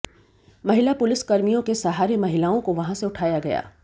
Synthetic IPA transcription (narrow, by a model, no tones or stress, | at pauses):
mɐɦɪlapʊlɪskɐɾmijõkesɐɦaːɾemɐɦɪlaːõkoʋɐɦãseʊʈʰaːjaɡɐja̰ː